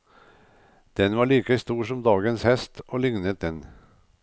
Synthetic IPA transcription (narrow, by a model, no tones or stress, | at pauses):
d̪̥ɛnʋɑːɭiːkəst̪uːʂɔmd̪ɑːɡənshɛst̪oːlɪŋnət̪̚d̪ɛn